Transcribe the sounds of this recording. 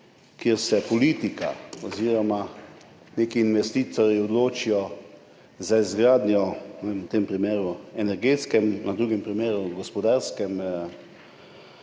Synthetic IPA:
kjeɾsɛpɔliːt̪ika̰ɔziːɾɔma | neːkiːnʋɛst̪iːt̪ɔɾjiɔd̪loːt͡ʃijɔ | zaizɡɾaːd̪njɔemut̪eːmpɾimeːɾuɛnɛɾɡeːt̪skɛmnad̪ɾuːɡɛmpɾimeːɾuɡɔspɔd̪aɾskɛm

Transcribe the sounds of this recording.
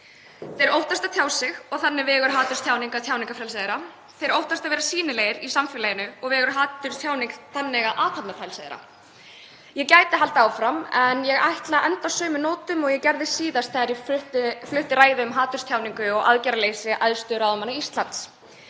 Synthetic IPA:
θejɾowht̪ast̪at̪ʰjaːwsɪɣɔɣθanːɪvɛːɣʏɾ̥ɦaːt̪ʏrst̪ʰjaːwniŋkat̪ʰjaːwniŋkafɾɛlsaðɪɾa | θejɾowht̪ast̪avɛːɾasiːnɪlejɪɾisamfɪlajɪnʏɔɣvɛːɣʏɾ̥ɦaːt̪ʏɾ̥t̪ʰjaːwniŋkθanːɛɣaðʔaːt̪ʰap̪nafɾajlsaðɪɾa̰ | jɛcaːjt̪ɪɦalt̪aːwfɾamɛnjɛɣajht̪laʔɛnt̪asœːmʏnoːwt̪ʏmɔɣjɛcɛɾðɪsiːðast̪θɛɣaɾjɛfʏht̪flʏht̪ɪraːjðɪʏmɦaːt̪ʏɾ̥st̪jawniŋkʏɔɣa̰ðcaɾaleːjsɪʔaðst̪ʏɾaðʏmanːaist̪lant̪s

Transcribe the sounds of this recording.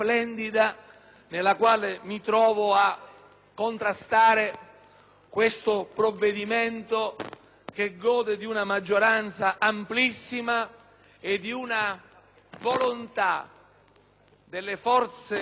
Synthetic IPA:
plɛnd̪id̪a | nelːakwaːlemit̪ɾɔːvoa | kːont̪ɾast̪aːɾe | kwest̪ʊpɾovːed̪iment̪o | k̟eɡːɔːd̪ed̪iunamad͡ʒːoɾant̪saʔamplisːima | ed̪iuna | volont̪a̰ | d̪elːefɔrt̪se

